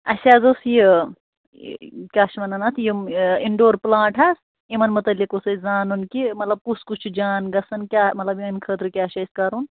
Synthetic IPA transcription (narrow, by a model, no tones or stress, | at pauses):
ɐsʲaːzosji | kʲaːʃmɐnɐnɐt̪ʰjimiɳɖoːɾplãːʈʰas | imɐnmut̪ɐlːikosɐzaːnunkimɐt̪lɐb̚kuskut͡ʃʰud͡ʒaːnɡɐsɐnkʲaːmɐt̪lɐbimɐnkʰəːt̪ɾukʲaːʃɐskɐɾun